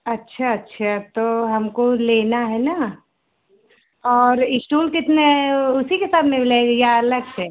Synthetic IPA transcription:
ɐtːʃʰaɐtːʃʰat̪oɦɐmkoleːnaɦɛna | ɔːɾɪsʈuːlkɪt̪neʊsikesaːd̪mẽmleɡjaləɡsɛː

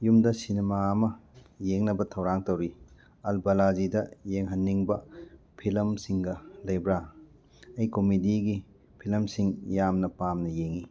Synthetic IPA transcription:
jumdɐsinemaːmɐjeŋnɐbɐtʰɐwɾaŋtɐwɾi | ɐlbɐlad͡ʒidɐjeŋɦɐnːiŋbɐ | pʰilmsiŋɡɐlɐjbɾa | ɐjkomidiɡi | pʰilmsiŋjamnɐpamnɐjeŋi

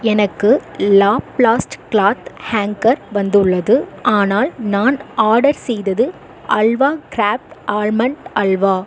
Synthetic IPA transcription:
ɛnɐkːɯlaːpɭaːsʈkɭaːt̪haːŋkɐɾʋɐnd̪ɯɭːɐðɯʔaːnaːlnaːnaːɽɐɾsɛjðɐðɯ | ʔɐlʋaːkɾaːp̚ʈaːɾmɐɳʈɐɭʋaː

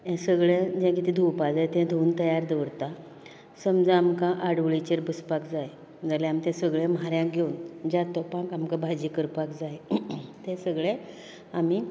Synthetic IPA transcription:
ɛ̃səɡɭẽd͡ʑãkit̪id̪ʱuwpad͡zajt̪ɛ̃d̪ʱount̪əjaɾd̪ɔʋɾt̪a | səmd͡zaamkãʔaɽʋɭit͡ɕeɾbəspakd͡zaj | əd͡zaleamit̪ɛ̃səɡɭẽmɦaɾjãk̚ɡʱeund͡ʑat̪ɔpãkamkabʱad͡ʑikəɾpakd͡zajt̪ẽsəɡɭe | ami

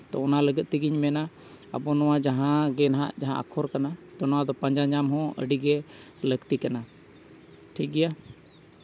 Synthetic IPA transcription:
t̪ɔɔnaləɡət̪̚t̪iɡiɲmɛna | ə̰bɔnɔwad͡ʒaɦãɡɛnaɦa̰ʔd͡ʒaɦã̰ʔa̰kʰɔɾkanat̪ɔnɔwad̪ɔpãɲd͡ʒaɲd͡ʒamɦɔ̃ə̰ɖiɡɛ | ləɡt̪ikana | ʈʰik̚ɡɛja

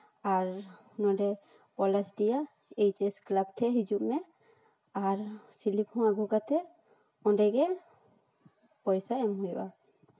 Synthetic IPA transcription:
aɾ | nɔɖɛ | pɔlɛsʈija | ejt͡ʃesklabʈʰɛɦid͡ʒuʔmɛ | aɾsiliphɔ̃aɡukat̪ʰɛ | ɔ̃ɖɛɡɛ | pɔjsaɛmɦujba̰

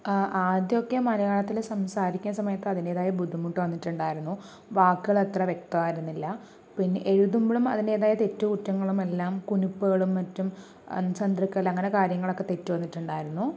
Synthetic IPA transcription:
ʔaːd̪jokːemɐlɐjaːɭɐt̪ːilsɐmsaːɾikʲːunɐsɐmɐjɐt̪ːɨɐðine̞ːðaːjɐbud̪ʱimuʈːɨʋɐnːiʈːuɳɖaːjiɾunːu | ʋaːkːɨɣɐɭet̪rɐʋje̞k̚t̪ɐʋaːjiɾunːilːɐ | pinːeʔeɻuðumbiɭumɐ̰ðine̞ːðaːjɐt̪e̞tːukuʈːɐŋːɐɭume̞lːaːmkunupːɨɣɐɭumːɐtːum | t͡ɕɐnd̪rikːɐɐlɐŋːɐne̞kaːɾjɐŋːɐɭo̞kːe̞t̪e̞tːuʋɐnːiʈːuɳɖaːjiɾunːu

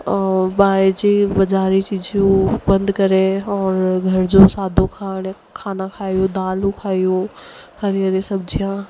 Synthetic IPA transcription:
baːed͡ʒibɐd͡ʒaːɾit͡ʃiːd͡ʒjũbɐ̃nd̪kɐɾeɔːɾɡʱɐɾd͡ʒosaːd̪ʱõkʰaːɽ | kʰaːnakʰaːijõd̪aːlũkʰaːijõhɐɾijəɾesɐb̚d͡ʒʱijã

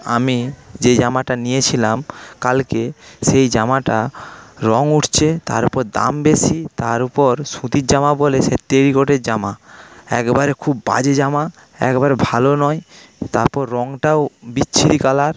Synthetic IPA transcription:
a̰mid͡ʑed͡ʑamaʈanijet͡ɕʰilamkalkeʃejd͡ʑamaʈaɾɔŋuʈʰt͡ɕʰet̪a̰ɾupɔɾd̪a̰mbesit̪aɾupɔɾsũt̪iɾd͡ʑamaboleset̪eɾikoʈeɾd͡ʑamaɛkebaɾekʰubːa̰d͡ʑed͡ʑama | ɛ̰kbaɾebʱalonɔjt̪aɾpɔɾːɔŋʈaobitːɕʰiɾikalaɾ

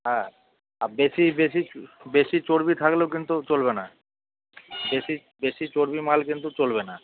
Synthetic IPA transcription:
ɦɛ | abeʃibeʃibeʃit͡ɕoɾbit̪ʰakleokint̪ut͡ɕolbena | beʃi | beʃit͡ɕoɾbimalkint̪ut͡ɕolbena

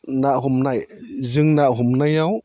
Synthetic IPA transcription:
naʔɦumnajzɯŋnaʔɦumnajaw

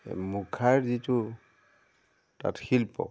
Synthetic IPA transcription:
mukʰaɹzitu | ta̰txilpɔ̰

